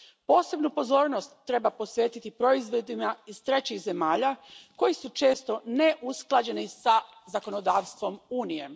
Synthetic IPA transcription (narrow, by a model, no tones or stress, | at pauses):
po̞ːse̞bnupo̞zo̞ːɾno̞st̪ːɾe̞baposʋjeːt̪it̪ipɾo̞izʋo̞d̪imaiz̥t̪ɾe̞t͡ɕiɣze̞maːʎako̞jisut͡ʃe̞ːst̪o̞ne̞ʔusklˠad͡ʑe̞nisa | zako̞nod̪aːʋst̪ʋo̞muːnije̞